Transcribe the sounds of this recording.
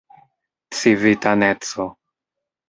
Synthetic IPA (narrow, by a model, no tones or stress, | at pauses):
tt͡sivit̪anet̪t͡so